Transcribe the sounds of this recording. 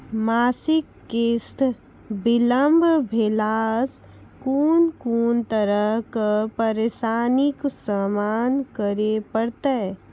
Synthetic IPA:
maːsɪkːest̪ | bɪləmbʱbʱelaːs | kuːnkuːnt̪əɾəɦkpəɾeːʃaːnɪksamaːnkəɾepəɽt̪e

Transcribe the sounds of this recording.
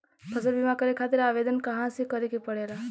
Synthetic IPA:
pəsəɾbimakəɾekʰat̪ɪɾaːʋed̪ənkəɦãsekəɾekepəɽeɾa

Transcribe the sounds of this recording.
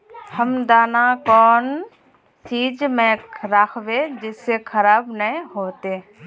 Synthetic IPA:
həmd̪aːnaːkɔːn | t͡ʃiːd͡ʒmẽːɾaːkʰʋeːd͡ʒɪseːkʰəɾaːbnəĩɦoːt̪eː

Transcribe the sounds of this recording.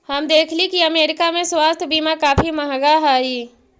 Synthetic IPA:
hɐmd̪eːkʰlikiɐmeːɾɪkamẽswaːst̪ʰbiːmakaːfimɐɦɡaɦaːiː

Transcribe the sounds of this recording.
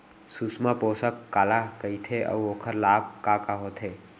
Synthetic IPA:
susmapoːsəkːaːlakəit̪ʰeʔə̰ʋoːkʰəɾlaːb̚kaːkaɦoːt̪ʰeː

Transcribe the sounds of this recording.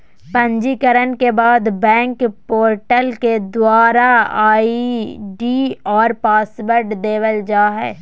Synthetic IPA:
pɐ̃ɲd͡ʒikəɾənkebaːd̪bɛ̃ːŋkpoːɾʈəlked̪waːɾaaːiɖiːɔːɾpaːsbəɾɖd̪eːʋəld͡ʒaːɦɛ̰ː

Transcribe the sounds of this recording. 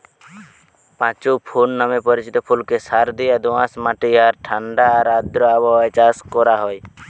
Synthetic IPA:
pãt͡ʃupʰunːamepɔɾit͡ʃit̪ɔpʰulkesaɾd̪ijad̪uãsmaʈijaɾʈʰãɳɖaːɾad̪ɾɔabɔajt͡ʃaskɔɾaɦɔj

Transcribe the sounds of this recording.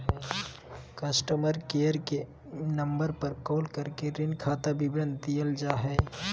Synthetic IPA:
kɐsʈəməɾkeːəɾke | nɐ̃mbəɾpɐɾkoːlkɐɾkeɾɪnkʰaːt̪abɪbɾə̃nt̪ijəld͡ʒaːɦɛː

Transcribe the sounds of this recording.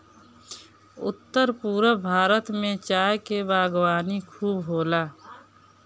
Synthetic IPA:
ʊ̰t̪ːəɾpuːɾəbʱaːɾət̪mẽt͡ʃaːjkebaːɡwaːnikʰuːbɦoːlaː

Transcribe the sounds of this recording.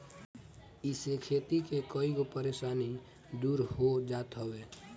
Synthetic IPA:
ɪsekʰeːt̪ikekoiɡopəɾeːʃaːni | d̪uːɾɦod͡ʒaːt̪ɦəweː

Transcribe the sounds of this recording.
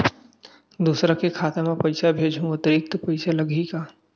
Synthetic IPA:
d̪uːsɾãkekʰaːt̪emãpɐɪsabʱeːd͡ʒʱũʊt̪əɾɪk̚t̪pɐɪsalɐɡʱika

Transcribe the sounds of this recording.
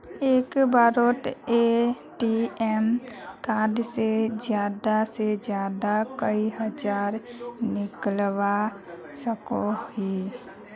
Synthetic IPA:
eːkbaːɾoʈe | ʈiɛmkaːɖsezjaːd̪ased͡ʒjaːd̪akəiɦəd͡ʒaːɾnɪklwa | səkoi

